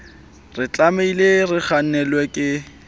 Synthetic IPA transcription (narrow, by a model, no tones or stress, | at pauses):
rɪt͡ɬʼameilerɪχanɛlwɛkʼɪ